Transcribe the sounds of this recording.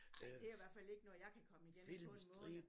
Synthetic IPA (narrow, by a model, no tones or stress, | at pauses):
d̥e̝æɐiʋæɐ̰̥fæle̝ɡ̥ənɔ̽ːjɑ̈ɪkʰækʰɒ̽məi̥enilmsd̥ʁi